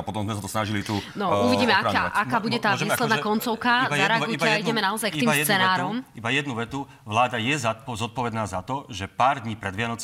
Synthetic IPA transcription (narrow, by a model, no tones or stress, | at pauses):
apɔt̪ɔmzmɛsat̪ɔsnaʒilit̪unɔuʋiɟiːmɛaaʔakaːbuɟɛt̪aːɛiːslɛd̪akɔnt͡sɔʊkabajaɛɾɛaɡuaɛjɟɛmɛnaɔzajkiiːsjɛd̪t͡sːɛnaːɾɔmibajɛd̪nuʋɛt̪u | ʋlaːd̪ajɛzazɔt̪̚pɔʋɛd̪naːzat̪ɔʒɛpaːɾd̪ɲiːpɾɛd̪ʋɪanɔt͡s